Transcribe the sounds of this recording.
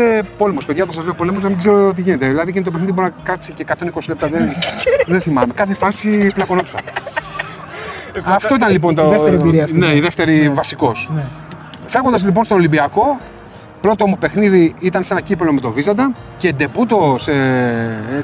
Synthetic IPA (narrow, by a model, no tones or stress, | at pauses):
epo̞le̞mo̞speðʝɐðoɐs̬ɐzleopo̞lemo̞znɐmiɡzeɾot̪̬iʝine̞t̪eðilɐðiʝint̪opxniðibonɐkɾɐt̪i̥seceːkɐt̪o̞niko̞sile̞p̚t̪ɐðenðenθimɐme̞kɐθe̞fɐsiplɐko̞no̞t̪i̥sɐn | ɐft̪o̞it̪ɐnlip̬o̞nt̪oɾiɾneiðeft̪e̞ɾivɐsiko̞s | feɣond̪ɐzlip̬o̞nst̪onolimbiɐko̞ | pɾo̞t̪omupe̞xniðiit̪ɐnsenɐcipelo̞met̪o̞vizɐd̪ɐ | cend̪e̞put̪o̞se